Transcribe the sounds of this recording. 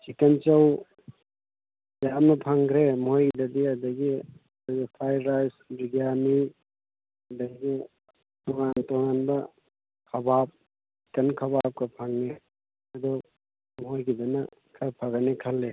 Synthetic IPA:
sikent͡ʃaw | dajamnɐpʰaŋɡɾemɦojɡidɐdiadɐɡiɐdɐɡipʰajɾajsɾiɡjani | ɐdaɡi | tɔŋantoŋanbɐ | kʰɐbap̚ | ssikenkʰɐβap̚kɐpʰaŋne | ɐdɔ | mɔɦojɡidɐnɐ | kʰajpʰaɡanekʰɐlːe

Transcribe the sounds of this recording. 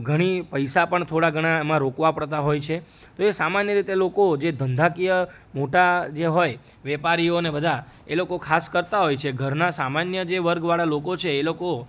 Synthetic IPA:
ɡʱəɽ̃ipəjsapəɳt̪ʰoɽaɡʱəɽ̃aemãɾokʋapəɽt̪aɦojt͡ʃʰe | t̪oesamanjəɾit̪elokod͡ʒed̪ʱənd̪ʱakijə | moʈad͡ʒeɦoj | ʋɛpaɾijonebəd̪ʱa | elokokʰaskəɾt̪aɦojt͡ʃʰeɡʱəɾnasamanjəd͡ʒeʋəɾɡʋaɭalokot͡ʃʰeːloko

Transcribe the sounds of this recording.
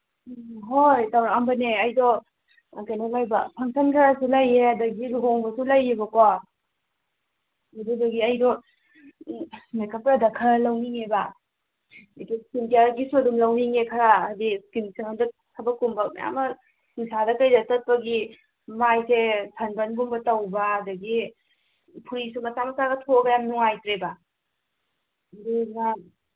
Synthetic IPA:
ɦojtawɾambɐneɐjdɔ | kajnalajbapʰaŋsankʰaɾasulajeɐdɐɡiluɦoŋbɐsulajebɐkwa | mɐduduɡiɐjdɔ | mekʰapɾadɐkʰɐɾalawniŋeba | dɐɡiskimtijaɡisudumlɐwniŋekʰɐɾadiskinseŋandɐ | kʰabɐkumbɐ̰ja̰mɐ | nisadɐkajdɐtɐt̚pɐɡi | majsesʰɐnbɐnɡumbɐtɐwbɐɐdɐɡi | pʰuɾisumɐsamɐsaɡɐtʰoɡɐjamnuŋajtɾeba | ɐdiŋa

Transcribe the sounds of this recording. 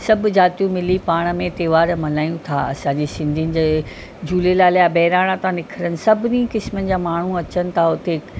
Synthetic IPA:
sɐbʱd͡ʑaːt̪ijũmɪlipaːɽ̃ə̆mẽt̪eːʋaːɾmɐlaːjũt̪ʰa̰ɐsãːɲd͡ʑiːsɪ̃nd̪ʱiənɪ̆d͡ʑe | d͡ʑʱuːlelaːljabɐɦɾaːɽ̃ãt̪ãnɪkʰəɾənɪ̆sɐbʱɪnikɪsmənɪ̆d͡ʑaːmaːɳ̤ũɐt͡ɕənɪ̆t̪ʰaʊt̪e

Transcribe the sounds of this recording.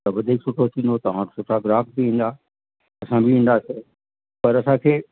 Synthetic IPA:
ɐbɐd̪ʱeːksʊʈʰot͡ʃ̪ʰĩnd̪ot̪ɐʋ̤ãsʊʈʰaɡɾaːpbʱiĩːn̆d̪a | ɐsãbʱiĩːn̆d̪ase | pɐɾɐsãːkʰeː

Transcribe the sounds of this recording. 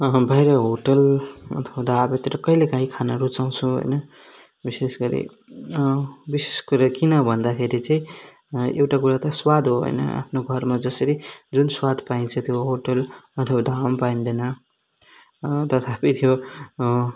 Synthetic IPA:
bʱajɾʌɦoʈʌlʌ̰t̪ʰʌ̥bad̪ʱabʌt̪ʌɾʌkʌilekaɦĩkʰanaɾut͡saw̃t͡sʰũɦo̰jnʌ | bisesɡʌɾḭ | biseskuɾakinʌbʱʌnd̪akʰeɾit͡saĩ | ḛwʈakuɾat̪ʌswad̪ʱɦoɦo̰jnʌ̰a̰pʰnoɡʱʌɾmad͡zʌsʌɾid͡zunswad̪paĩnt͡sʰʌt̪ʰjoɦoʈʌlʌt̪ʰʌbad̪ʱampaind̪enʌ | t̪ʌt̪ʰapit̪ʰjo

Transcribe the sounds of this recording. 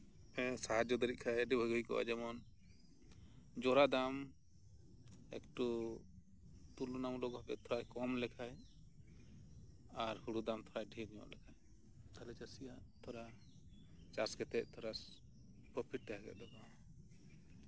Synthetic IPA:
ɛsaɦad͡ʒɔd̪əɾiʔ̚kʰajəɖibʱəɡujkɔ̰ʔa̰d͡ʒɛmɔn | d͡ʒɔɾad̪am | ɛ̰kʈu | t̪ulunamlɔɡɔpɛ̰ʔt̪ʰɔɾajkɔmlɛkʰaj | aɾhuɽud̪amt̪ʰɔɾajɖʱiɾɲɔ̰ʔlɛkʰaj | t̪ʰalɛt͡ʃasijaʔt̪ʰɔɾa | t͡ʃaskɛt̪ɛʔ̚ˀt̪ʰɔɾas | pəpʰiʈ̚t̪ɛɦakɛ̰ʔ̚d̪ɔɡa

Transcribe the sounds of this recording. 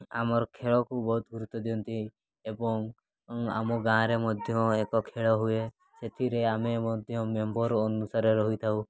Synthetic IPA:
amɔɾkʰeɭɔkubɔɦut̪ɡuɾut̪ːɔd̪jɔ̃nt̪i | ebɔŋ | a̰mɔɡãɾemɔd̪ʱjɔekɔkʰeɭɔɦue | set̪ʰiɾeamemɔd̪ʱjɔmjɔmbɔɾɔnusaɾeɾɔɦut̪ʰau

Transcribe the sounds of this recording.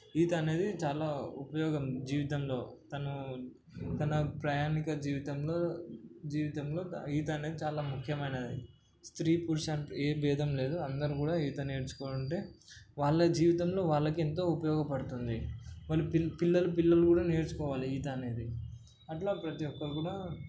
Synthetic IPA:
iːt̪ɐːne̞ːd̪it͡ʃaːlaːupɐjɔːɡɐmd͡ʒiːʋit̪ɐmlo̞ːt̪ɐnu | t̪ɐnɐpɾaːjaːnikɐd͡ʒiːʋit̪ɐmloːd͡ʒiːʋit̪ɐmlo̞ːiːt̪ɐɐne̞ːd̪it͡ʃaːlaːmukʰjɐmɐjnad̪i | st̪ɾiːpuɾʃaːɳʈeːbɛːd̪ʱɐmle̞ːd̪uɐnd̪ɐɾukuːɽaːiːt̪ɐneːɽt͡ʃu̥koːɾuɳʈe̞ːʋaːɭːɐd͡ʒiːʋit̪ɐmlo̞ːʋaːɭːɐkient̪̬o̞ːupɐjɔːɡɐpɐɽut̪und̪imɐlːuppilːɐlupilːɐlukuːɽaːneːɾut͡ʃu̥kɔːʋaːliiːt̪ɐːne̞ːd̪i | ɐʈlaːpɾɐt̪ijɔkːɐɾukuːɽaː

